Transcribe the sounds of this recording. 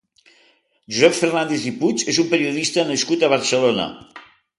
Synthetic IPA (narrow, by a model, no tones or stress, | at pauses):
ʒuzɛffernand̪eziput͡ʃezumpəɾiuðist̪əːnəskut̪əβ̞əɾsəlonə̰